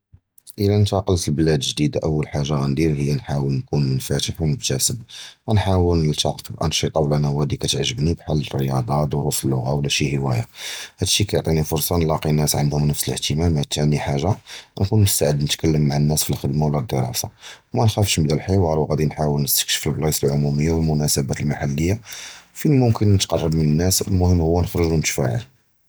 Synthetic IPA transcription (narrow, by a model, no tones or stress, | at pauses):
ʔəlænt̪ɑqəlt̪əlbəlæd̪əʒd̪id̪aʔəwːəlħaʒːaɣænd̪iɾhəjːænħawəlnkunmənfæt̪əħwməbt̪æsəbænħawəlnəlt̪ɑqt̪əbʔæ̰nʃit̪ˤɑwlʔænæwhæd̪ikæt̪əʕʒəbnibħalːərːəjɑd̪ˤɑd̪ʊɾufəlːʊɣawlæʃihəwæ̰jahæd̪ʃːikæjoʕt̪ˤinifʊɾsˤɑnlɑqinːæsʕə̰nd̪hʊmnəfsələht̪əmæmːat̪æniħaʒːankunmʊst̪aʕəd̪nət̪kælːəmːaʕanːæsfilxəd̪mawləd̪ːəɾˤɑ̰sɑ̰wmænxæfʃmbd̪ælħiwɑɾˤwɣæd̪inħawəlnəst̪ə̥kʃə̥fəlblɑslʕʊmuməjːawəlmʊnæsəbæt̪əlmaħalːəjːafinmʊmkənːət̪qɑrˤːɑbmənənːæsəlmʊhəmːhʊwːænəxɾəʒunt̪fæ̰ʕə̰l